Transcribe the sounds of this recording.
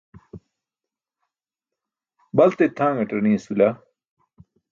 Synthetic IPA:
bɐlt̪et̪ʰãːŋɡɐʈɐnĩsula

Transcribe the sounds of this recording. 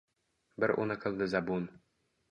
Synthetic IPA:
bɘɾʔṵnɤkɤ̆lˠd̪ɘzabun

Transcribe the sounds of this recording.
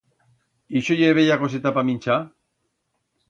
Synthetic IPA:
iʃojeβejakos̬et̪apamint͡ʃa

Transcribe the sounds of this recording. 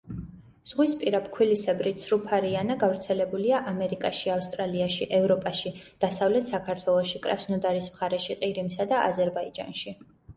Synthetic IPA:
z̥ʁwispʼiɾap̚ʰkʰwilisɛbɾisʰɾupʰaɾianaɡavɾt̪sʰɛlɛbuliaʔamɛɾikʼaʃiafst̪ʼɾaliaʃiʔɛvɾɔpʼaʃid̪̥asavlɛt̪ʰsakʰaɾt̪ʰwɛlˠɔʃikʼɾa̰snɔd̪aɾismχaɾɛʃiqʼiɾimsad̪aʔa̰zɛɾbaid͡ʒa̰nʃi

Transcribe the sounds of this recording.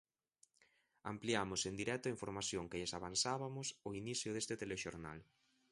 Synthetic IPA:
a̰mpliamʊsend̪iɾɛt̪ʊaiɱfoɾmaθjoŋkeʎesaβansaβamʊsʊiniθjʊðest̪ɪt̪eleʃoɾna̰l

